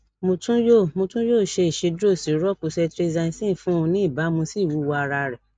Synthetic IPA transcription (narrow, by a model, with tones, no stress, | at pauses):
mõ˧tũ˦jo˦˨mõ˧tũ˦joː˦˨ʃe˧i˨ʃe˨˧do˦˨si˨˦ɾɔ˦ku˧sɛ˧tɾe˦zã˧ĩ˧sĩ˦˨fũ˨˦˧nĩ˦i˦˨ba˨˦mũ˧si˦˨wu˨˦wa˧ɾa˧ɾɛ˨